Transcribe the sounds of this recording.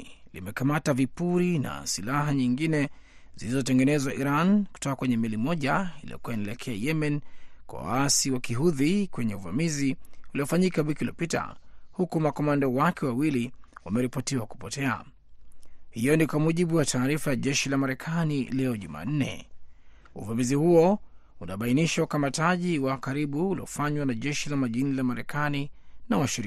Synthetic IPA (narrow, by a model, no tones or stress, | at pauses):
lḭmɛkamatavipuɾina̰silaɦaɲiŋɡinɛ | zilizɔtɛŋɡɛnɛzwaʔiɾanku̥tɔkakwɛɲɛmilimɔʄailḭɔ̰kuwainiɛlɛkʰɛajɛmɛnkwa̰wa̰asiwakiɦuðikwɛɲɛuva̰miziuliɔfaɲikawikilɔpita̰hukumakɔmandawakʰɛwawiliwamɛɾipɔtiwaku̥pɔtɛa̰ | hijɔnikwamuʄiɓuwataːɾifajaʄɛʃilamaɾɛkʰanilɛɔʄṵma̰n̩nɛ̰ | uvamizihuɔ | unaɓainiʃaukamataʄiwakaɾiɓuulḭɔ̰faɲwanaʄɛʃilamaʄinilamaɾɛkʰaninawaʃiɾi